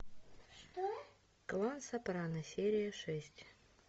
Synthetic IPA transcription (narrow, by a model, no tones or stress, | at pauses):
ʂt̪o | klˠansɐpɾanəsʲeɾʲɪjəʂɛsʲtʲ